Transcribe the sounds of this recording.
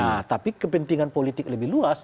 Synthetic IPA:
at̪apikəpənt̪iŋanpolit̪ɪk̚ləbɪhluas

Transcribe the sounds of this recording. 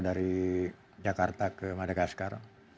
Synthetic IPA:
daɾi | d͡ʒakart̪akəmadaɡaskar

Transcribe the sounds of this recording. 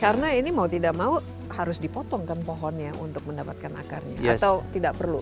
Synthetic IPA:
kaɾənainimaut̪idaʔmau | haɾʊsdipɔt̪ɔŋkanpɔɦɔnjaʔṵnt̪ʊk̚məndapat̪̚kana̰ka̰rɲa̰a̰st̪awt̪idaʔpərlu

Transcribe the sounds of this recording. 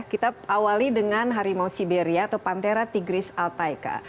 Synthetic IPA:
kit̪aawalidəŋanɦaɾimausibeɾiaːt̪awpant̪eɾat̪iɡɾɪsalt̪ajka̰

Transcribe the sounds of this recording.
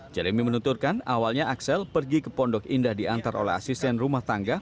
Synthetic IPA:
d͡ʒaɾemimənut̪urkanawalɲaʔaksɛlpərɡikəpɔndɔkindahdiant̪aɾo̰lɛ̰ɦa̰sist̪ɛnrumaht̪aŋɡa

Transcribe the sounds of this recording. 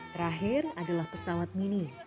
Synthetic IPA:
t̪əɾaɦɪradalahpəsawat̪̚mini

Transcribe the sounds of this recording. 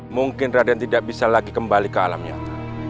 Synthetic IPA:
muŋkɪnradant̪idaʔ̚bisalaɡikəmbalikəala̰mɲa̰

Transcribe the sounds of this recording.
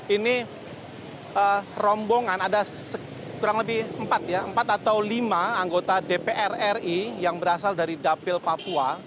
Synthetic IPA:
ini | ərɔmboŋanadasə | kuɾaŋləbɪhəmpat̪̚jaəmpat̪at̪awlimaːŋɡot̪adepeʔɛrɛrijaŋbəɾasaldaɾidapɪlpapua

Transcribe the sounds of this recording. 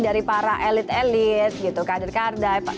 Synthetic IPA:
daɾipaɾaʔɛlɪt̪ɛlɪt̪̚ɡit̪ukadɪrkardajf

